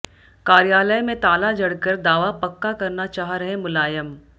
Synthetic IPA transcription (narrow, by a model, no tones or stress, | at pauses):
kaːɾjaːləjmẽt̪aːlad͡ʒɐɽkəɾd̪aːʋapɐkːakɐɾnat͡ʃaːɦɾɐɦẽmʊlaːjəm